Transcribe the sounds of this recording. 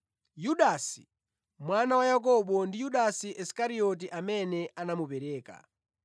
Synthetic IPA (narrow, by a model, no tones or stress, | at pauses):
juɗaːsi̥ | mwanawajak̬ɔɓɔndijuɗasiʔɛskaɾiɔt̬iʔamɛnɛanamupɛɾɛːka̰